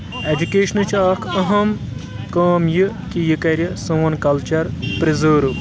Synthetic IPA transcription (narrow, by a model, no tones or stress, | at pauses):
ed͡ʒukeːʃɐnɨt͡ʃʰaːkʰɐɦɐm | kaːmjɨkijɨkɐɾʲjɐsɐːɐnkɐlt͡ʃɐɾpɾizoːɾu